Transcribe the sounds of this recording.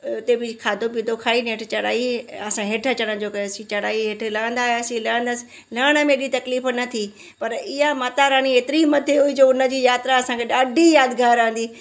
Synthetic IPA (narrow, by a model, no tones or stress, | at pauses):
ʊt̪ebɪkʰaːd̪ʱopid̪okʰaːineʈʰt͡ɕɐɽa̰ːiɐsãɦeʈʰə̆t͡ɕɐɽ̃ə̃d͡ʑoːkɐsĩt͡ɕɐɽaːiɦeːʈʰlɐə̃n̆d̪aːɦeɐsĩləːə̃n̆d̪əsɪ̥ | laːɽ̃ə̆mẽɗit̪ɐkliːfnɐt̪ʰi | pɐɾɪɦamat̪aɾaːɽ̃ieːt̪ɪɾimɐt̪ʰeɦuid͡ʑoːʊnə̆d͡ʑiːjaːt̪ɾaɐsãkʰeɗaːɖʱijaːd̪ɡaːɾãə̃n̆d̪iː